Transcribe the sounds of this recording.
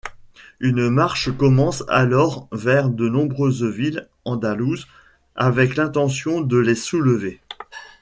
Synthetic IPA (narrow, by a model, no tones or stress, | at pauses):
ynmaʁʃkɔmɑ̃sa̰lɔʁvɛʁd̪ənɔ̃bʁøzvil | ɑ̃d̪aluz | avɛklɛ̃t̪ɑ̃sjɔ̃d̪əlesuləve